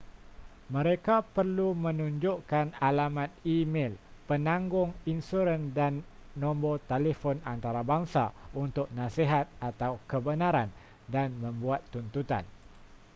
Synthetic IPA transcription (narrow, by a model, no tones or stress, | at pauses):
mə̃ɾekapərlumə̃nũɲd͡ʒʊʔkanalamãt̪̚imelpənãŋɡʊŋinsuɾəndanːɔ̃mbot̪elefɔnant̪aɾabaŋsa̰unt̪ʊk̚nãseɦat̪̚at̪awkəbənaɾan | danmə̃mbuat̪ːunt̪ut̪a̰n